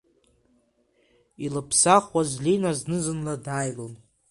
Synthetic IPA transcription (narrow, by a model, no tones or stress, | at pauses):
ilɨpʰsaχwazlinaznɨzɨnladaːjlon